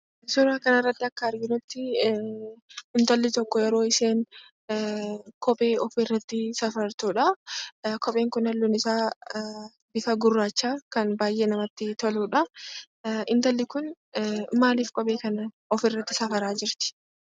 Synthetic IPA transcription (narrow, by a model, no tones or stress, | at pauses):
sʊɾaːkɐnɐrːɐt̪ːɪɐkːɐɐɾɡɪnʊt̪ːɪ | ɪnt̪ɐlːɪt̪ɔkːɔjɛɾo̞ːɪse̞ːn | kʰɔpʼe̞ːɔfɪrːɐt̪ːɪsɐfɐɾt̪uːᶑɐ | kɔɓʼe̞ːŋkʊnɐlːunɪsaː | bɪfɐɡʊrːaːt͡ʃːaːkɐnbaːjʔe̞ːnɐmɐt̪ːɪt̪ʰɔluːᶑɐ | ɪnt̪ɐlːɪkʊn | maːliːfkʼɔbʼe̞ːkɐnɐ | ɔfɪrːɐt̪ːɪsɐfɐɾaːd͡ʒɪɾt̪ɪ̥